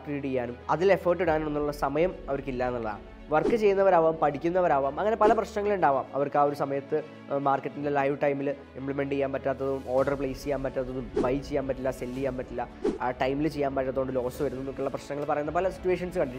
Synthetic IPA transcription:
kiiɽiejːaːnumɐðile̞foːrʈ̬ːiɽaːnumenːuɭːɐsɐmɐjɐmɐʋɐɾukːilːaːnːɐɭːɐða̰ː | ʋɐrkːɨt͡ɕe̞jːunːɐʋɐɾaːʋaːmpɐʈʰikʲːunːɐʋɐɾaːʋaːmɐŋːɐne̞pɐlɐprɐɕnɐŋːɐɭuɳɖaːʋaːmɐ̰ʋɐrkaːo̞ɾusɐmɐjɐt̪ːɨ | maːrkːɐʈːindilelɐjʋʈɐjmil | impɭime̞ɳɖɨijːaːmpɐtːaːt̪ːɐðumo̞ːrɖɐrpɭeːst͡ɕejaːnpɐtːaːt̪ːɐðumʋɐjt͡ɕe̞jːaːnpɐtːilːaselːijːaːnpɐtːilːa | ʈɐjmilt͡ɕejːaːnpɐtːat̪ːoɳɖɨlo̞ːsɨʋɐɾunuenːokːeuɭːɐprɐɕnɐŋːɐɭpɐrɐjunːɐpɐlɐsi̥tːuʋeːʂ̬ɐnsɨkɐɳɖiɾi

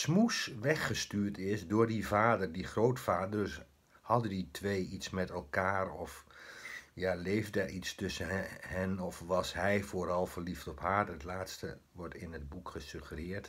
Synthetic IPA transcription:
smusʋɛχəstyːɹtʰɪsdʊːɹdivaːdərdiχrowtfaːdəs | hɑdəditʰʋejitsmɛtɛlˠkaːrɔf | jalejvdəʔitstɵsəhɛnɔfʋɑsɦɛjfoːɾɑlˠfərliftɔphaːɹətlaːtstə | ʋɔɹtɪnəd̚bukχəsøχərɪːɹt

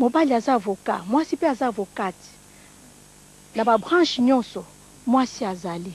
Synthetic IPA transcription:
mobaliazavoka̰mwasipeazavokati̥ | nababʁãʃɲɔ̃sɔ | mwasiazali

